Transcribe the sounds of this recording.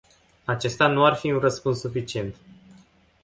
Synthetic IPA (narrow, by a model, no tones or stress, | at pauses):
at͡ʃe̞st̪anuarfiunrəspunssːufit͡ʃie̞nt̪